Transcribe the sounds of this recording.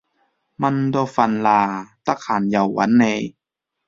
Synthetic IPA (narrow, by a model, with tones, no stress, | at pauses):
ma˧ndoː˧fa˧nlaː˧t̪a˧˨kʰaː˨˩nja˧˨˩wːa̰˧˦˥nːa˧j